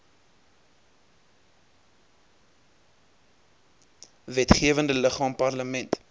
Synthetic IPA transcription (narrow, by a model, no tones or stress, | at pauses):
vɛtχiəvəndələχɑːmpɐrləmɛnt